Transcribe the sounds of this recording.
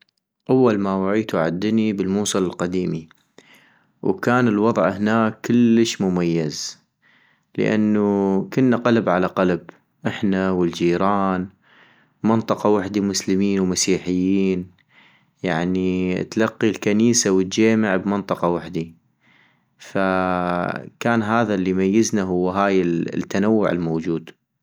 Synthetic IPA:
ʔawːalmawaʕiːt̪uʕad̪ːnibɪlmuːsˤɨlɪlqɑd̪iːmi | wkaːnɪlwɑðˤʕhnaːkːɪlːəʃmʊmajːaz | lə̰ʔa̰nːukʊnːaqalbʕalaqalb | ʔɪħnawəld͡ʒiːɾɑːn | mɪnt̪ˤɨqɑwaħd̪imʊslɪmiːnwmasiːħɪjːiːn | jaʕnḭt̪lɑqːilkaniːsawət̪d͡ʒaːmɪʕbmɪnt̪ˤɑqɑwaħd̪i | fa | kaːnɦaːðalːimajːɪznaɦʊwːɦaːjɪt̪ːanawːʊʕɪ̰lmoːd͡ʒuːd̪

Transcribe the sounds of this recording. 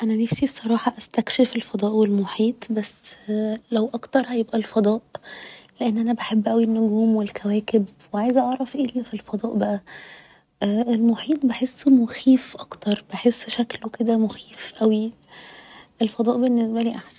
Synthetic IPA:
ʔænænefsisˤːɑɾˤɑːħɑʔæst̪ækʃefelfɑd̪ˤɑːʔwelmoħiːt̪ˤbæsːlæwʔɑkt̪ɑɾˤhæjebʔælfɑd̪ˤɑːʔleʔenːʔænæbeħebːʔæwinːoɡuːmwelkʰæwæːkebweʕajzæʔɑʕɾˤɑfʔeːlfilfɑd̪ˤɑːʔbæʔæ | ʔelmoħiːt̪̚ˤbeħesːmoxiːfʔɑkt̪ɑɾˤb̥eħesːʃækloked̪æmoxiːfʔæwi | ʔelfɑd̪ˤɑːʔbenːesbæliːʔaħsæn

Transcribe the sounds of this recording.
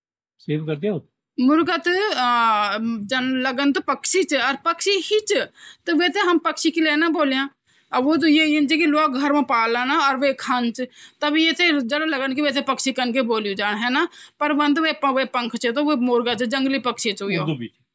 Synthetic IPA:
seːbkəɾd̪ | mʊɾɡət̪ | d͡ʒənləɡənt̪oːpəkʃiːt͡ʃəɾpəkʃiːɦit͡ʃt̪eʋeːt̪ẽːɦəmpəkʃiːkɪlɛːnãːboːljãː | oːt̪̬ojeːend͡ʒiːkɪloːk̚ɡʱəɾʋãːpaːlaːnaːɔːɾʋeːkʰənt͡ʃt̪aːbiet̪ʰẽːd͡ʒəɽoːləɡənkɪʋeːt̪ʰẽːpəkʃiːkənkeːboːlũːd͡ʒaːɳɦɛːnaːpəɾʋənd̪ʋeːpəʋeːpəŋkʰt͡ʃt̪õːʋeːmʊɾɡəd͡ʒəŋɡliːpəkʃiːt͡ʃʊjoː

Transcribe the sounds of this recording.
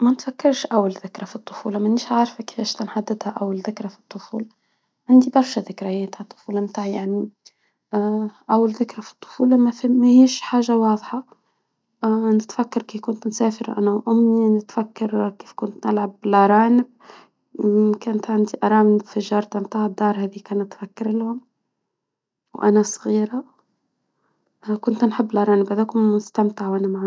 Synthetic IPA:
mænɪt̪fakːɑɾˤʃʔawːalðɪkɾˤɑfit̪ˤːʊ̥fṵːlɑmanːiːʃʕaʕɾˤfakɪ̥fæːʃt̪anħad̪ːɪd̪haʔawːalðɪkɾɑfi̥t̪ˤːʊfuːl | ʕand̪ibɑɾˤʃaðɪkɾajeːt̪hat̪ˤːʊ̥fuːlɑmt̪aːʕjaʕni | ʔawːalðɪkɾɑfi̥t̪ˤːʊ̥fuːlɑmafimahiːʃħaːʒawɑːðˤħɑ | nɪt̪fækːɑɾˤkiːfkʊnt̪nsæːfɪɾʔæ̰næwʔʊmːninɪt̪fækːɑɾkiːfkʊnt̪nɪlʕablɑɾˤɑːnɪb̚ | kæːnt̪ʕand̪iʔɑɾˤɑːmfɪʒɑːɾˤt̪mt̪aːʕd̪ːɑːɾˤhæːðikæːnæt̪fækːɪɾlhʊm | wʔæ̰næsˤɣiːɾa | kʊnt̪nħɪbːlɑɾˤɑːnɪbhad̪eːkʊmʊst̪æmt̪ɪʕwʔænæmaʕ

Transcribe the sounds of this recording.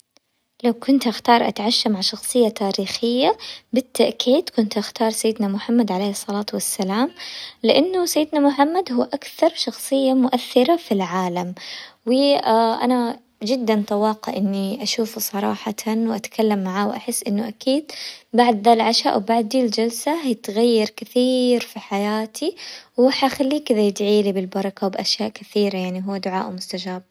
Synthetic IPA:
lawkʊnt̪ʔaxt̪ɑːɾˤʔa̰t̪ʕaʃːamaʕʃɑxsˤɨjːat̪aːɾiːxɪjːabɪt̪ːaʔkiːt̪kʊnt̪ʔaxt̪ɑːɾˤsajːɪd̪namʊħamːad̪ʕaleːhɨsˤːɑlɑːt̪wasːalaːmlɪʔanːʊsajːɪd̪namʊħamːad̪hʊːʔakθɑɾˤʃɑxsˤɨjːamʊʔaθːɪɾafilʕaːlamwɪaʔa̰na | d͡ʒɪd̪ːant̪ˤɑwɑːqɑ̰ʔɪnːiʔaʃuːfusˤɑɾˤɑ̰ːħɑt̪ʰanwʔat̪kʰalːamːaʕaːwʔaħɪsːʔɪnːʊʔakiːd̪̚baʕd̪ðalʕaʃaːʔwɪbaʕd̪dild͡ʒalsaɦajɪt̪ɣajːɑɾˤkɪθiːɾfiħajaːt̪ʰiwħaxalːiːkɪðajɪd̪ʕiːlibɪlbɑɾˤɑkawbʔaʃjaːʔkɪθiːɾajaʕniɦʊwːd̪ʊʕa̰ːʔmʊst̪ad͡ʒaːb̚

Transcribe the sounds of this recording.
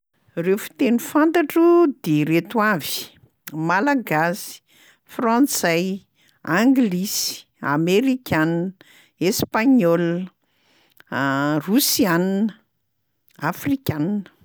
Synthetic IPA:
refu̥t̪enifant̪aʈ͡ʂud̪eɾet̪wavi̥ | malaɡasi̥ | frɑ̃nt͡saj | ãŋɡlisi̥ | a̰meɾikʲan | espaɲɔl | rusianinə | afrikʲaninə̥

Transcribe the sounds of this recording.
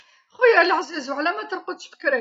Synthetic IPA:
xujlʕzæzwʕlæmæt̪əɾˤqʊd̪ʃfə̥kːɾæ

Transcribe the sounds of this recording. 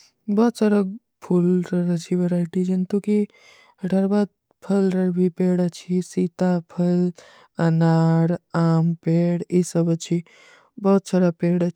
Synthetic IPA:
bɔːt̪səɾəɡ̚ | pʰulɾəɾət͡ʃʰiʋeɾaːɪʈid͡ʒənt̪uki | ɖʱəɾbaːd̪̚ | pʰəlɾəɽbʱipeːɽət͡ʃʰisiːt̪apʰəl | ɐnaːɽaːmpeːɽisəbət͡ʃʰi | bɔːt̪səɾəpeːɽə

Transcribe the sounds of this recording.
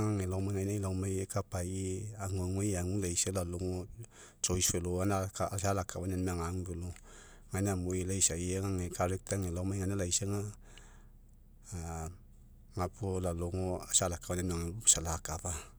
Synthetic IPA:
ŋaŋelawmaŋajnailawmajekapajeaŋuaŋwejaŋulaiselaloŋo | t͡ʃojsweloanakaasalakʰawananmaŋaŋbelo | ŋanamoilaisajeŋaŋekʰaɾek̚t̪aŋelamajŋanalaiseŋa | ŋapolaloŋoasalakawananmaŋesalakapa

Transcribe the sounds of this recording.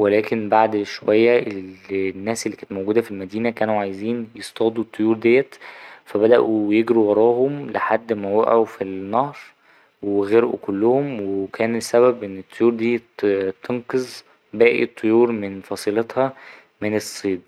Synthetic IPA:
welæːkenbaʕd̪ʃowæjːæʔelnːæːselːiːkæːnt̪mowɡuːd̪æfilmæd̪iːnækæːnuʕajeziːnjest̪ˤɑːd̪ˤut̪ˤːojuːɾd̪ejːæt̪fæbæd̪æʔujeɡɾuwɑɾˤɑːɦomlḛħad̪ːmæwæʔʕofinːɑhɾˤ | weɣeɾʔṵkolːʊhomweekʰæːnesːæβæbʔenːet̪ʰˤːojuːɾd̪iːt̪t̪ːenqezˤ | bæːʔḭt̪ˤʰːojuːɾmenfɑsˤiːlet̪hɑ | menesˤːiːd̪̚

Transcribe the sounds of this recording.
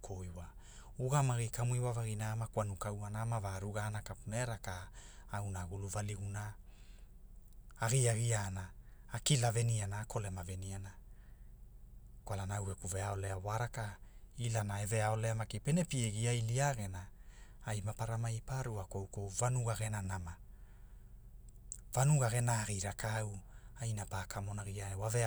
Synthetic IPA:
kʰoiwa | uɡamaɣikamuiwavaɣinamakwanukawanamavaɾuɡaːnakapuneɾakaawnaɡuluvaliɡuna | ɣiaɣianaː | kilavenianaːkʰo̞le̞maveniana | kwalanaawekuveao̞le̞awaɾakailanae̞ve̞ao̞leamakipe̞ne̞pieɡiajliaɡe̞naajmapaɾamajpaɾuakowkowvanuɡaɣe̞nanama | v̥anuɡaɣe̞naːɣiɾakawajnapakʰamo̞naɣiaewave

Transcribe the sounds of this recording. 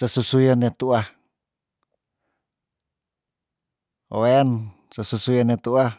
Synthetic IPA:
sasusujanet̪ua | o̰wen | sasusujanet̪ua

